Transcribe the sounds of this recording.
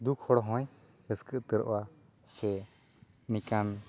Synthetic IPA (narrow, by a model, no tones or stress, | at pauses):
d̪ukʰhɔɽɔɦɔ̃j | ɾəskəʔt̪əɾɔ̰ʔwa | sɛ | nikan